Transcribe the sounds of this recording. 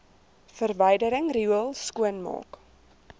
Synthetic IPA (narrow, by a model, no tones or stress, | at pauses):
fərvəjdəɾəŋriuəlˠskuənmɑ̰ːk